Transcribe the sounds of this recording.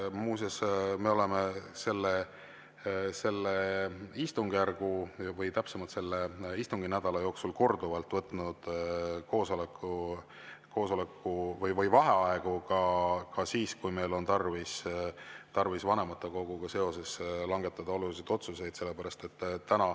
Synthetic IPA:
muːsesme̞o̞le̞mese̞lːe | se̞lːeist̪uŋɡ̥jærɡ̥uvɤjt̪æpsemɑlt̪se̞lːeist̪uŋɡ̥inæd̪̥ɑlɑjo̞ːksulko̞rd̪uvɑlt̪ːˑvɤt̪ːˑnud̪̥ko̞ːso̞lekːˑu | kʰo̞ːso̞le̞kːuvɤjvɤjvɑɦeɑeɡ̥ukɑkɑsiːskujme̞jlo̞nt̪ɑrvis | t̪ɑrvisvɑne̞mɑt̪ːˑeko̞ɡ̥uɡ̥ɑse̞o̞se̞slɑŋɡ̥e̞t̪ːˑɑd̪̥ɑo̞lulisejd̪̥o̞t̪suse̞jd̪̥se̞lːe̞pæɾɑst̪e̞t̪ːtːænɑ

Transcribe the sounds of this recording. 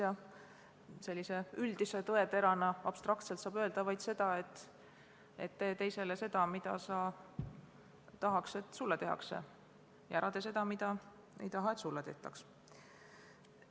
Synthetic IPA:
ɑ | se̞lʲːise̞yld̪̥ise̞t̪ɤe̞t̪e̞ɾɑnɑɑb̥st̪rɑkt̪selt̪sɑːb̥ø̞e̞ld̪̥ɑvɑjd̪̥se̞d̪̥ɑe̞t̪ː | ḛt̪ːe̞ːt̪e̞jse̞lese̞d̪̥ɑmid̪̥ɑ̰sɑ | t̪ɑɦɑkse̞t̪ːˑsulːɑt̪e̞ɦɑ̰ksḛ | jɑæɾʔɑt̪e̞se̞d̪̥ɑmid̪̥ɑ | e̞̰jt̪ɑɦɑe̞t̪sulːɑt̪e̞̰ht̪ːˑɑks

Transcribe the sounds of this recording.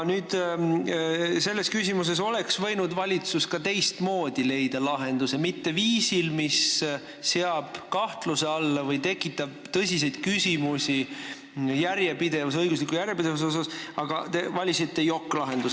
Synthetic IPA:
nyːd̪̥ | se̞lːe̞skysʲimus̬e̞so̞le̞ksvɤ̞jnud̪vɑlʲit̪suskɑt̪e̞jst̪mo̞ːd̪̥ile̞jd̪̥ɑlɑɦe̞nd̪̥use̞mit̪ːe̞viːsilmisː | eɑb̥kɑht̪luse̞ɑlːɑvɤjt̪e̞kːˑit̪ːˑɑb̥̚t̪ɤsʲis̬e̞jd̪̥̚kysʲimusʲi | jæɾjepid̪̥e̞vusɤjɡuslikːujæɾjepid̪e̞vusosɑsɑɡ̥ɑt̪evɑlʲisit̪ˑːe̞jokːlɑɦe̞nd̪us

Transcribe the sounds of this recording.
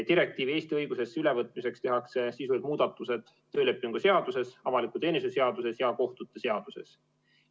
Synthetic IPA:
d̪̥iɾe̞k̚t̪iːvie̞ːst̪iɤjɡ̥use̞sːyle̞vɤt̪ːˑmise̞kst̪e̞ɦɑkse̞sisud̪muːd̪̥ɑt̪ːˑuse̞d̪̥ | t̪ːø̞ːle̞pːˑiŋɡ̥use̞ɑd̪use̞sɑvɑlikːˑut̪e̞ːnisuse̞ɑd̪̥use̞sjɑko̞ht̪ut̪ːˑe̞se̞ɑd̪̥use̞̰s

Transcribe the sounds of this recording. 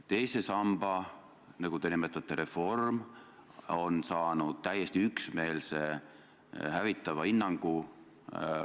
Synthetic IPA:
t̪e̞jse̞sɑmb̥ɑ | nɑɡ̥ut̪enimet̪ːˑɑt̪ːˑeɾe̞fo̞rm | o̞nsɑːnud̪̥̚t̪æjːest̪iyksme̞ːlse̞ | hævit̪ːˑɑvɑinːɑŋɡ̥u

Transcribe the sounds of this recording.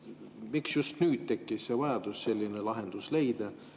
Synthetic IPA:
miksjust̪nyːd̪̥̚t̪e̞kːisevɑjɑd̪̥usse̞lʲːinelɑɦe̞nd̪̥usle̞jd̪̥ɑ

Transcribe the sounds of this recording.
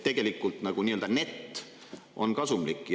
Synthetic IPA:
t̪e̞ɡ̥e̞likːˑult̪nɑɡ̥uniːøld̪ɑne̞t̪ː | ʔo̞nkɑsumlikːˑj

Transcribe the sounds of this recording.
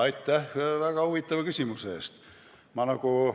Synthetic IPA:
ɑjt̪ːæhvæɡ̥ɑhuvit̪ːˑɑvɑkysʲimuseːst̪ | mɑnɑku

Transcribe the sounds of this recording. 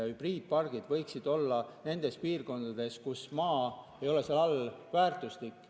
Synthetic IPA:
ɑhyb̥riːd̪̥̚pɑrɡ̥id̪̥vɤjksid̪̥o̞lːɑne̞nd̪̥e̞spiːrko̞nd̪̥ɑd̪̥e̞skusmɑːejo̞le̞seɑlɑlvæːrt̪uslikːˑ

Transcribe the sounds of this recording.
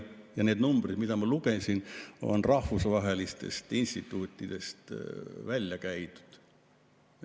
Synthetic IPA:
jɑne̞ːd̪numb̥rid̪̥mid̪̥ɑmɑlukesʲino̞̰nrɑhvusvɑɦelist̪e̞̰st̪inst̪it̪ːˑuːt̪ːˑid̪̥e̞st̪vælʲjɑkæjt̪u̥d̪̥

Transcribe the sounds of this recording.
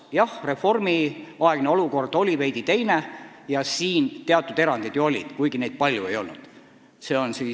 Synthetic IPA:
jɑhre̞fo̞rmiɑe̞ɡ̥neo̞luko̞rd̪̥o̞lʲive̞jd̪̥it̪e̞jne | jɑsiːnt̪eɑt̪ːˑud̪e̞ɾɑnd̪̥id̪̥juo̞lʲḭd̪̥kujɡ̥ined̪̥̚pɑlʲjue̞jo̞̰lnṵd̪̥ | se̞ːo̞nsiː

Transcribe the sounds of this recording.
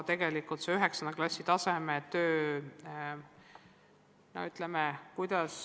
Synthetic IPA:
t̪e̞ɡe̞likult̪seyɦeksɑnd̪eklɑsʲːit̪ɑse̞met̪øː | no̰yt̪ˑlemekujd̪̥ɑs

